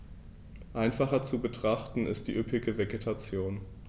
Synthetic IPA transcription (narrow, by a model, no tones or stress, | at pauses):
ʔaɪnfaχɐt͡subətʁ̥aχtn̩ɪ̰std̥iːʔʏpɪɡəveɡetʰat͡sjoːn